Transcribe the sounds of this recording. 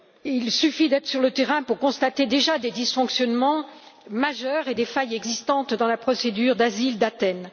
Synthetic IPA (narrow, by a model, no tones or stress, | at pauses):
ilsyfid̪ɛt̪χə̥syʁlət̪eʁɛ̃puʁkɔ̃st̪at̪ed̪eʒad̪ed̪isfɔ̃ksjɔnmɑ̃ | maʒœʁed̪efajɛɡzist̪ɑ̃t̪d̪ɑ̃lapχɔsed̪yʁd̪azild̪at̪ɛn